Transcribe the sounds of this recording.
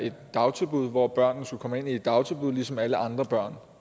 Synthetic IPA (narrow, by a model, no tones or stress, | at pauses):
e̝d̥ːɑ̈ʊt͡sʰeb̥uð̰ˠʋɒb̥ɶɐ̰nːn̩skukʰɒ̽məe̝nie̝d̥ːɑ̈ʊt͡sʰelb̥uðˠlisɒ̽mæləʔɑ̈nd̥ʁɐb̥ɶɐ̰n